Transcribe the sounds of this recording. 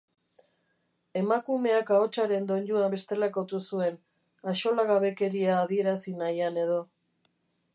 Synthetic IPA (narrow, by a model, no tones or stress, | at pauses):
e̞makume̞akao̞t͡ʃaɾe̞nd̪o̞nʎuabe̞st̪e̞lako̞t̪usue̞n | aʃo̞laɣaβe̞ke̞ɾiaːðie̞ɾasinajane̞ðo̞